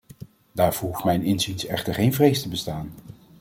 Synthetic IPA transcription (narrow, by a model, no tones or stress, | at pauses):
daːɹvoɹɦuftmɛjnɪnzinsɛ̰χtəɹχejnvrejstəbəstaːn